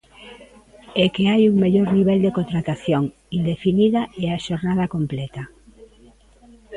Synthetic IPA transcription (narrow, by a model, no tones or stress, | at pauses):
ekeajuŋmeʎoɾniβ̞ɛld̪ekot̪ɾat̪aθjoŋ | ind̪efiniðaɛaʃoɾnað̞akomplɛt̪a